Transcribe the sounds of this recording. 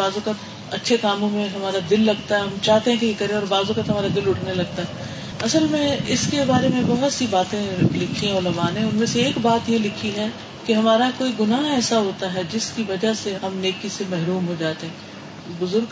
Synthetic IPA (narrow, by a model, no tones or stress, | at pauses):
aːzokət̪ | ɐtːʃʰekaːmõmẽɦɐmaːɾad̪ɪlːɐɡt̪aɦɛɦɐmt͡ʃaːɦt̪eɦɛ̃keekɐɾẽɔːɾbaːzõkɐt̪ɦɐmaːɾad̪ɪlʊʈʰnelɐɡ̚t̪aɦɛ | ɐsəlmẽɪskebaːɾemẽbɐɦɔt̪sibaːt̪ẽlɪkʰĩɔːlɐbaːnẽʊnmẽseeːkbaːt̪jelɪkʰiɦɛ̃ | keɦɐmaːɾakoːiɡʊnaːɦɛːsaɦoːt̪aɦɛd͡ʒɪskiʋɐd͡ʒaseɦɐmneːkisemɛɦɾuːmɦod͡ʒaːt̪eɦɛ̃ː | bʊzʊɾɡ